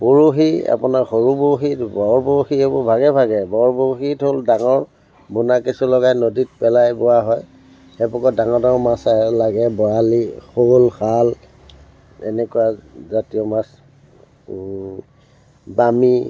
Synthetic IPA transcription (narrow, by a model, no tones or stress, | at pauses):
puɹuɦia̰pʊnaɹxoɹuboxitbɔɹboɹxiebɔbʱaɡɛbʱaɡɛbɔɹboxitɦoldaŋɔɹ | bunakisulɔɡajnoditpɛlajbʊwaɦɔj | xɛpɔkɔdaŋɔdaŋɔmasalaɡɛbɔalixolxal | ɛ̰nɛkʊazatiɔmas | bami